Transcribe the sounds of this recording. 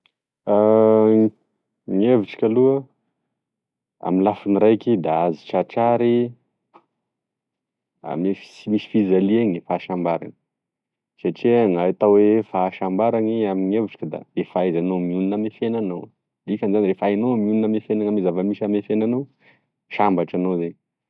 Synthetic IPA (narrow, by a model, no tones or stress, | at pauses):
a | ŋeviʈ͡ʂḁkʲaluə | a̰milafinirajkid̪aazi̥ʈ͡ʂaʈ͡ʂaɾi | a̰mefi̥simisi̥fizalieɲifaːʃambaɾa̰nə̥ | saʈ͡ʂiŋaat̪awefaʃambaɾaniamiŋeviʈ͡ʂi̥kʲəd̪a̰refajzanomiuninamefenanow | d̪ikanzanirefajnomiuninamefenaŋamizavəmiʃamefenanow | ʃambaʈ͡ʂanozeɲi